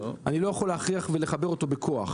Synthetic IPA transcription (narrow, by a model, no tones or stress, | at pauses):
anilo̞jaχolːehaχʁiaχvele̞χabe̞ʁo̞t̪o̞bekʰo̞aχ